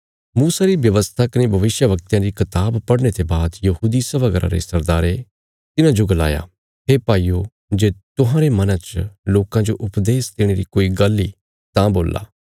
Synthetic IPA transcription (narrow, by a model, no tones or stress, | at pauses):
muːsaɾibjɐʋəst̪ʰakɐnebʱɐʋɪsjəʋɐk̚t̪jãɾikʰɐt̪aːbpɐɽñet̪ebaːd̪jɐhuːd̪isɐbaɡəɾã̰ɾḛsɐɾd̪aːɾe | t̪ɪnãd͡ʒoɡɐla̰ːja̰ | ɦepaːiːo | d͡ʒeːt̪ʊɦãɾemɐnat͡ʃloːkãd͡ʒoʔʊpd̪eːsd̪eːɽ̃eɾikoːiɡɐlːi | t̪ãboːla̰ː